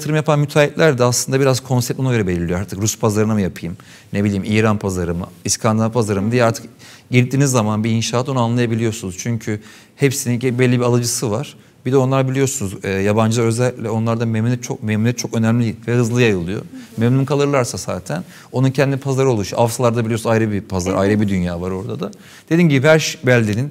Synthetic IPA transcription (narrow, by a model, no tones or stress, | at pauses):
t̪ʰɯɾɯmjapʰanmyt̪ʰaːiplʲæɾd̪ɛaslˠɯnd̪abiɾaz̥kʰo̞nsɛp̚t̪onaɟøɾɛbelʲilʲːioaɾt̪ʰɯkɾuspʰazaɾɯnamujapʰɯjɯm | nebilʲiːmʔiːɾanpʰazaɾɯmɯ̰iskʰand̪anpʰazaɾɯmɯd̪ijɛaɾt̪ʰɯ̥k | ɟiɾd̪iːnizːamanbiiːnʃaːt̪onuanlˠajabilʲijo̞sunuz̥t͡ʃʰyɲcʰy | hepsininɟbɛlʲːibialˠɯd͡ʒɯsɯvaɾ̥ | bid̪ɛo̞nlˠaɾbilʲijo̞sunuzɛːjaband͡ʒɯd̪aø̞zɛlʲːiclʲɛo̞nlˠaɾd̪amemiɛt͡ʃʰo̞̰k̚mɛmnɛt͡ʃʰo̞kø̞nɛmlʲivɛhɯzlˠɯjajɯlˠɯjo̰memlʲimkʰalˠɯɾlˠaɾsasa̰ːt̪ʰæn | o̞nuncʰɛnd̪iipʰazaɾɯolˠuʃavsalˠaɾd̪abilʲijosunajɾɯbipʰazaɾajɾɯbid̪ynjaːvaɾo̞ɾd̪ad̪a | d̪̥e̞d̪inɟibiæɾʃbælʲd̪inin